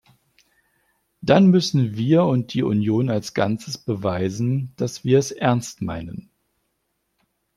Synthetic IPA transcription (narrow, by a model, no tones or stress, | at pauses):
d̥anmʏsn̩viːɐʊnt̚d̥iːʔṵnjoːnalsɡ̥a̰nt͡səsb̥əvaɪzn̩d̥asv̥iːɐɛsʔɛɐnstma̰ɪnən